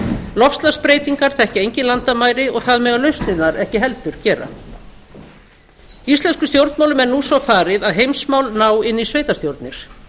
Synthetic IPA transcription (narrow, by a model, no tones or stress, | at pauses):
lɔfst̪laspɾeːjt̪iŋkaɾ̥θɛhcɪejɲcɪnlant̪amaːjɾɪɔɣθaðmɛːɣaðlœɥst̪nɪnaɾɛhcɪɦɛlt̪ʏɾ̥cɛːɾa̰ | ist̪lɛnskʏst̪jowɾt̪mawlʏmɛɾnuːsɔfaːɾɪðaðɦejmsmawlnaːwɪnːisveːjt̪ast̪jowɾt̪nɪɾ̥